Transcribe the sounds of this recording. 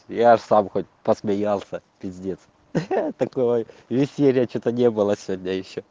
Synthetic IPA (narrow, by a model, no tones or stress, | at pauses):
jaʂsamxot̚ʲpəsmʲɪjalˠsʲəpʲɪzʲnʲet̪s | t̪ɐkojvʲɪsʲelʲɪjət͡ɕot̪ənʲebɨlˠəsʲɪvʲodʲnʲəjɪɕːo